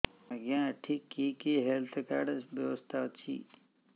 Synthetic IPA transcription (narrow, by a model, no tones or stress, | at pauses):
ɐɡjãːʈʰikːikiɦelt̪ʰkaɖbjɐʋəst̪ʰat͡ʃʰḭː